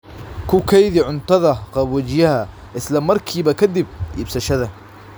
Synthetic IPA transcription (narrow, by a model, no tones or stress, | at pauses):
kʰʊkʰɛjðɪʕʊnt̪ɐðɐqɑbwɐd͡ʒjɐhɐ | ʔɪslɐmɐrkʰiːbɐkʰɐd̪ɪb̚ʔḭːbsɐʃɐðɐ